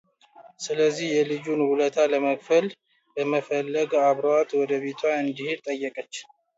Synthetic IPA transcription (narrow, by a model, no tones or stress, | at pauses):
sɨləzːihjɛlɨd͡ʒunhulət̪ʰaləməkʼfəl | bəməfəlːəɡaβɾowat̪wɔd̪əβet̪ʰwaɨnd̪ihiɾt̪ʼəjːəkʼət͡ʃː